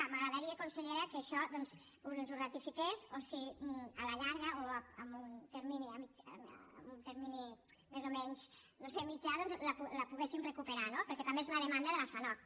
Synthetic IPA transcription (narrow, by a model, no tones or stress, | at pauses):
aməɣɾəðəɾiakunseʎeɾakəʃɔðɔnz | unzurat̪ifikesosiəlaʎaɾɣəʔoəmunt̪eɾminiamid͡ʒ̰munt̪əɾmini | mezomɛɲznosemid͡ʒaðɔnzlapulapuɣesimrəkupəɾanopəɾkɛt̪ambeezunəðemand̪əðəlafanɔ